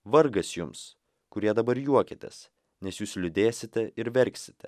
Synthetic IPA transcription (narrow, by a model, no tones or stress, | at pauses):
ʋɐɾɡɐsjʊms | kʊɾʲiɛd̪ɐbɐɾjuɔkʲɪt̪ʲɛ̰s | nʲɛsjuːslʲʊd̪ʲeːsʲɪt̪ʲɛɪɾʋʲɛɾʲksʲɪ̥t̪ʲɛ